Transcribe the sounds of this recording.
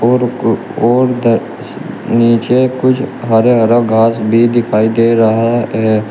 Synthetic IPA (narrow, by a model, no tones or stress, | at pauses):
oːɾ | oːɾd̪ə | niːt͡ʃekʊt͡ʃʰɦɐɾeɦɐɾaɡʱaːsbʱid̪ɪkʰaːid̪eːɾɐɦaɦɛ